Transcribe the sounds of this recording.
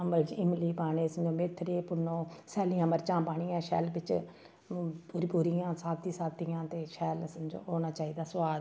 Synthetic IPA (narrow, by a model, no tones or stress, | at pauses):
əmbəld͡ʒɪmliːpaːneːsd͡ʒõːmet̪ʰːɾeːpʊnõːsɛːlijãːməɾt͡ʃãːpaːɳijãːʃɛ̰ːlbɪt͡ʃ | pʊɾipuːɾijãːsaːt̪iːsaːt̪ijãːt̪eːʃɛːlsnd͡ʒõ̰ːoːnaːt͡ʃaːiːd̪aːsʋaːd̪